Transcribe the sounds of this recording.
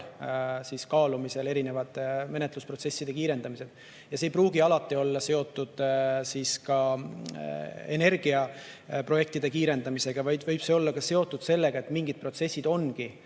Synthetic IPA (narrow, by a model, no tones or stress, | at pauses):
siːskɑːlumise̞le̞ɾine̞vɑd̪ˑme̞net̪ˑluspro̞t̪sesːid̪̥e̞kiːɾe̞nd̪ɑmise̞d̪ | jɑsejpruːɡiɑlɑt̪ːˑio̞lːɑse̞o̞t̪ˑːud̪̥siːskɑ | ene̞rɡ̥iɑ | pro̞je̞k̚t̪id̪̥e̞kiːɾe̞nd̪̥ɑmise̞ɡ̥ɑvɑj̪vɤjb̥se̞o̞lːɑkɑse̞o̞t̪ˑːud̪̥se̞lːe̞ɡ̥ɑet̪ːˑmiŋɡid̪̥̚pro̞t̪se̞sʲːid̪̥o̞nɡ̥i